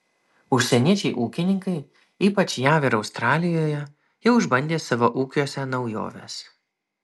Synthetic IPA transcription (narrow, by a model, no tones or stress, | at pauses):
ʊʃʲsʲɛnʲiɛt͡ʃʲɛɪʔuːkʲɪnʲɪŋkɐɪ | iːpɐt͡ʃʲjæːʋʲeɾɐʊst̪ɾɑːlʲɪjoːjɛ | jɛʊʊʒbɐnʲd̪ʲeːsɑʋoʔuːkʲuɔsʲɛnɒʊjo̰ːʋʲḛːs